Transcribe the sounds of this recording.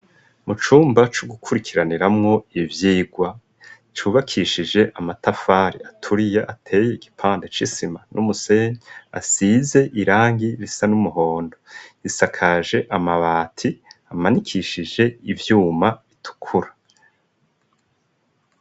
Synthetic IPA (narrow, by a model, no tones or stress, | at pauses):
mut͡ʃuːmbat͡ʃuɡukʰuɾikʰiɾaniɾamŋo̞ivjiːɡwa | t͡ʃuːβakʰiʃid͡ʒe̞ʔamatafaːɾiatʰuɾijaʔatʰe̞ːjeiɡipʰaːnde̞t͡ʃisimanʔumuse̞ːɲea̰size̞ʔiɾaːŋɡiɾisanumuɦo̞ːndoisakʰaʒe̞ʔamaβaːtʰiamanikʰiʃiʒe̞ivjuːmaβitʰu̥kʰuɾḁ